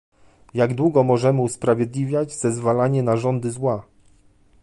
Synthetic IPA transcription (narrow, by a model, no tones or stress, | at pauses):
jaɡd̪wuɡɔmɔʐɛmɘuspɾavʲjɛd̪lʲivʲjad͡ʑz̥ɛzvalaɲɛnaʐɔnd̪ɘzwa